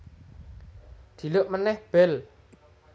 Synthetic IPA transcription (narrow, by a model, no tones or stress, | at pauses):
d̪̥i̤lʊʔmənɛhb̥ɛl